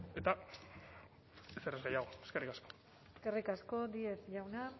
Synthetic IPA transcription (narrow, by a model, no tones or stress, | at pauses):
e̞t̪a | eserezɡajaɣ̞o̞eske̞rikasko̞ | eske̞rikasko̞d̪ie̞sʝawna